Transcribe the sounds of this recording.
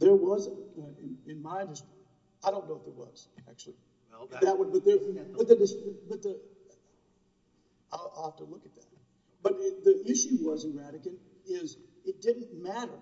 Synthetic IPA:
ðə˞wʌzʌɪ̃nɪ̃nmaɪ̃nɨs | aɪɾõʊ̃nːoʊwʌt̪̚ðə̰t̚wʌ̰z̥æ̰k̚t͡ʃʉl̩ˠi | bʌðɨt̚wʌd̚bʌt̪̚ðə˞b̥ʌt̪̚ðɨdɨsbʌbʌt̪̚ðɨ | aɪaɪhæftəlʊkɨt̪̚ðæt̚ | b̥ʌt̪̚ɪðiʔɪʃʉwʌzɨ̃nɹæɾɨkɨ̃n | ɪzɨt̚d̥ɪdⁿn̩mæɾə˞

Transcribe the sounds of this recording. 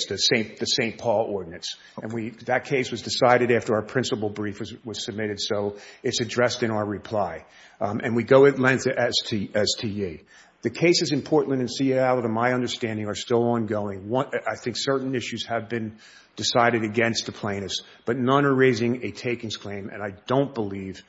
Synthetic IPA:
sðɨsẽɪ̃nðɨsẽɪ̃npʰɔlˠɔɹdⁿn̩ɨ̃ns | ɨ̃nwiðɨt̚kʰeɪswʌzdɨsaɪɾɨɾæftə˞aʊə˞pʰɹ̥ɪ̃nsəpl̩ˠbɹifwʌz̥sɨb̚mɪɾɨd̥soʊɨtsɨdɹɛstɨ̃ñaʊə˞ɹɨpʰl̥aɪ | ʔɨ̃nwiɡoʊɨtˡlɛ̃ŋk̚θɨʔɛstʰiɛstʰie | ðɨkʰeɪsɨzɨ̃mpʰɔɹʔn̩n̩tɨ̃nsiɛlˠʌvə̃maɪʌ̃ndə˞stæ̃ndɪ̃ŋə˞stɪlˠɑ̃nɡoʊɪ̃ŋwʌ̃aɪθɪ̃ŋksɜ˞ʔn̩ɪʃʉz̥ɨvbɨ̃n | d̥ɨsaɪɾɨɾɨɡɛ̃nst̪̚ðəpʰl̥ẽɪ̃nɨs | b̥ʌtⁿnɑ̃nə˞ɹeɪzɪ̃ŋɨtʰeɪkɪ̃ŋz̥kʰl̥ẽɪ̃mɨ̰̃naɪd̥õʊ̃nb̥əliv̥

